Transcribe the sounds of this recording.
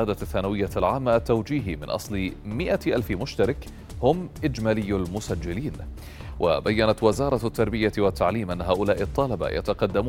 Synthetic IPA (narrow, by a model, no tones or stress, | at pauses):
aːd̪aθːanawɪjːalʕaːmːaʔat̪ːawd͡ʒiːɦmɪnʔɑ̰sˤlɪmɪʔaʔalfɪmʊʃt̪aɾˤɪk | hʊmʔɪd͡ʒmalɪjːalmʊsad͡ʒːɪliːn | wʔa̰bajːanat̪wɪzɑːɾˤɑt̪ːɑɾˤbɪjawat̪ːaʕliːmʔanːaɦaːʔʊlaːʔɪt̪ˤːɑlaba̰ja̰t̪ɑqɑd̪ːamuː